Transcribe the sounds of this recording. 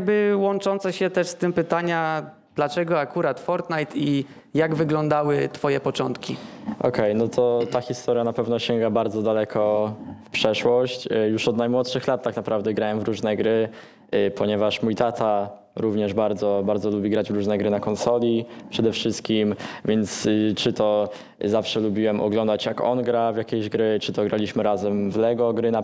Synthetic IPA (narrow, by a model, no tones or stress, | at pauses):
aɡ̚bɘwɔnt͡ʂɔnt̪sɛɕɛt̪ɛʂst̪ɘmpɘt̪aɲa | d̪̥lat͡ʂɛɡɔakuɾat̪fɔɾt̪najt̪i | jaɡvɘɡlɔnd̪awɘt̪fɔjɛpɔt͡ʂɔnt̪kʲiɔ̰kʰɛjnɔt̪ʰɔt̪axʲist̪ɔɾjanapɛvnɔɕɛŋɡabaɾd̪zɔd̪alɛkʰɔfpʂɛʂwɔɕt͡ɕjuʂɔd̪najmwɔt̪ʂɘxlat̪tːaknapɾavd̪ɛɡɾawɛmvɾuʐnɛɡɾɘ | pʰɔɲɛvaʂmujt̪at̪ʰa | ɾuvɲɛʐbaɾd̪zɔbaɾd̪zɔlubʲiɡɾad͡ʑvɾuʐnɛɡɾɘnakɔnsɔlʲipʂɛd̪ɛfʂɘst̪̚kʲimvʲjɛnt̪st͡ʂɘt̪ɔ | zafʂɛlubʲiwɛmʔɔ̰ɡlɔnd̪at͡ɕjakɔ̰nɡɾavʲjakʲeʑɡɾɘt͡ʂɘt̪ɔɡɾalʲiɕmɘɾazɛmvlɛɡɔɡɾɘna